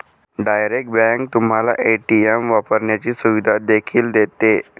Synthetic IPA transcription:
ɖajɾek̚ʈ̚bɛ̃ŋk̚t̪um̤ala̰ʔeʈiemʋapəɾɳjat͡ɕiːsuʋid̪ʱad̪ekʰiːld̪et̪e

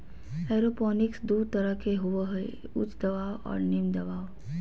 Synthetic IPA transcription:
ɛːɾopɔːnɪksd̪uːɾt̪ɐɾəkʰeɦʊʋəɦɛ | ʊ̰t͡ʃd̪ɐʋaːwɔ̰ːɾnɪmd̪ɐbaːw

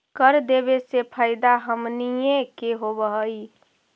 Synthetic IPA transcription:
kəɾd̪eβesepʰaːɪd̪aɦəmnijẽkeɦobəɦəi

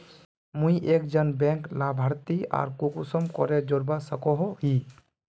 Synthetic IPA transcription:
mũĩʔeːk̚d͡ʒənbɛ̃ːŋklabʱaɾt̪ia̰ːɾkukusəmkɔ̰ɾed͡ʒoɾbasəkɔɦɦi

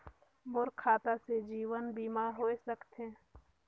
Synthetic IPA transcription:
bʊɾkʰaːt̪ased͡ʒiːwənbiːmaːɾɦoːesəkt̪ẽː

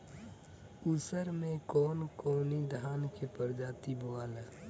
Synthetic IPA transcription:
usəɾmẽkɔːnkoːnid̪ʱaːnkepəɾd͡ʒaːt̪iboaːləː

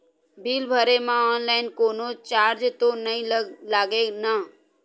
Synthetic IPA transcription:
bʱilbʱəɾemãɔːnlaɪnkoːnot͡ʃaːɾd͡ʒt̪onəĩlaːɡena

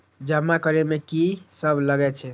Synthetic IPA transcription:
d͡ʒəmːakəɾemekisəbʱləɡɛt͡ʃʰɛ

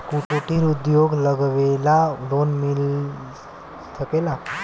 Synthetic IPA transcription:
kuʈuʈiɾud̪joɡləɡʋelad̪onmil | səkela

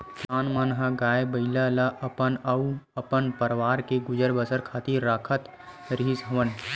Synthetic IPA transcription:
sʰaːnmənɦəɡaːebəɪlalaʔəpənəuəpənpəɾʋaːɾkeɡʊd͡ʒəɾbəsəɾkʰaːt̪iɾːaːkʰət̪ | ɾiɦisɦəʋən

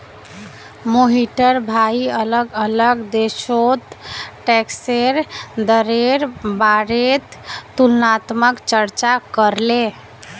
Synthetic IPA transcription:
moɦiʈəɾbʱaiələɡələɡd̪esot̪ʈɛkseɾd̪əɾeɾbaɾet̪ːulnat̪məkt͡ʃəɾt͡ʃakəɾle

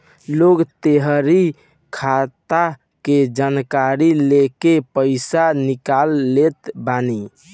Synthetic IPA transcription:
loɡt̪eɦəɾi | kʰat̪a | ked͡ʒankaɾilekepəɪsanikalːet̪bani

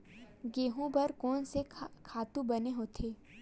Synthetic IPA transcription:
ɡeːɦũbɐɾkɔːnsekʰaːt̪ũbɐneɦoːt̪ʰeː

